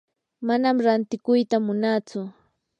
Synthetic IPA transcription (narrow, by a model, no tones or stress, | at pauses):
manamɾant̪ɪkʊjt̪amʊnaːt͡sʊ